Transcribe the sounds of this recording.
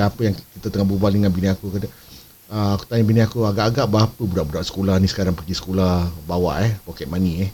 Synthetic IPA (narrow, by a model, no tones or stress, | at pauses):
apəjaŋkit̪ət̪əŋahbubaldəŋanbiniakukada | əaku̥t̪aɲəbiniakuaɡaʔːɡaʔbaapəbuɾaʔbuɾaʔsə̥kolahnisə̥kaɾaŋpəɾɡisə̥kolahbawa̰ʔɛpɔkɛt̪̚maniɛh